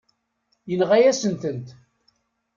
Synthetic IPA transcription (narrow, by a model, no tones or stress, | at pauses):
jənʁæjæsənt̪ənt̪